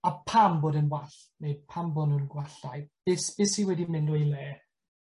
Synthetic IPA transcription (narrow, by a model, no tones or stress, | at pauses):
apʰamboːdənwaɬmepʰambɔnuːnɡwaɬajb̥ɪsb̥ɪsiwɛdimɪndʊelɛ